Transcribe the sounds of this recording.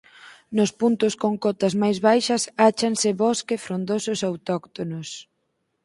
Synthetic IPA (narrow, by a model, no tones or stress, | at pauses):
nʊspunt̪ʊskoŋkɔt̪ɐzmajzβajʃɐsat͡ʃɐnsɪβɔskefɾond̪osʊsawt̪ɔkt̪onʊs